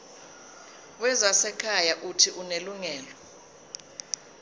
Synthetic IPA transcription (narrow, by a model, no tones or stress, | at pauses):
wɛzasɛkʰajaʔutʰiʔuneluŋɛːlɔ